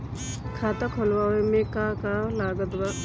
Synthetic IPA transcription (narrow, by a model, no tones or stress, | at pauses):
kʰaːt̪akʰɔlwawemẽkakalaːɡət̪ba